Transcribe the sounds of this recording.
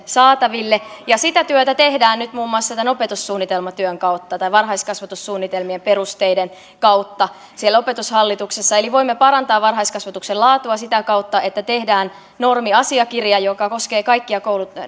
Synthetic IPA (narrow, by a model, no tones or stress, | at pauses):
sɑːt̪ɑʋilːejɑsit̪æt̪yøt̪æt̪ehdæːnnyt̪muːmːuɑˑst̪ɑt̪ænopet̪usːuːnːit̪elmɑt̪yøŋkɑwt̪ːɑt̪ɑiʋɑnɦɑiskɑsʋɑt̪usːuːnːit̪elmiemperust̪eiden | kɑwt̪ːɑ | sielo̞pet̪ushɑlːit̪uksesːɑeliʋo̞imːepɑɾɑnt̪ɑːʋʋɑnɦɑiskɑsʋɑt̪uksellɑːt̪uɑsit̪ækɑut̪ːɑet̪ːæt̪ehdæːn | no̞rmiɑsiɑkirjɑjokɑko̞skeːkɑikːiɑkoulu